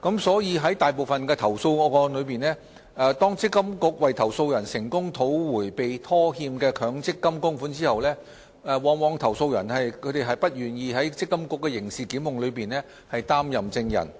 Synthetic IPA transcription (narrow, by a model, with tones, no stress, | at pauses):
kɐ˨˥msɔː˨˥jiː˧ɦɐ˨˥jt̪aː˨jp̬o˨wfɐ˨nkɛː˧t̪ʰɐ˨˩wso˧wŋɔː˨˧kɔː˧nlɵ˨˧ɥpiː˨nlɛː˥ | ɛ˨˧t̪ɔː˥ŋt͡sɪ˥kːɐ˥mkʊ˨˥k̚wɐ˨jt̪ʰɐ˨˩wso˧wjɐ˨˩nsɪ˨˩ŋkʊ˥ŋt̪ʰo˨˥wwuː˨˩jpe˨jt̪ʰɔː˥hiː˧mkɛː˧kʰœː˨˧ŋt͡sɪ˥kːɐ˥mkʊ˥ŋfuː˨˥nt͡siː˥hɐ˨wlɛː˥ | ɛ˨˧wɔː˨˥ŋwɔː˨˧˥ŋt̪ʰɐ˨˩wso˧wjɐ˨˩nhɐ˨jkʰɵ˨˧t̪e˨jɦɐ˨˩jpɐ˥t̚jyː˨˩njiː˨˧ɦɐ˨˥jt͡sɪ˥kːɐ˥mkʊ˨˥kːɛː˧jɪ˨˩ŋsiː˨kiː˨˥mːʊ˨ŋlɵ˨˧ɥpiː˨nlɛː˥ | hɐ˨jt̪aː˥mjɐ˨mt͡sɪ˧ŋjɐ̰˨˩n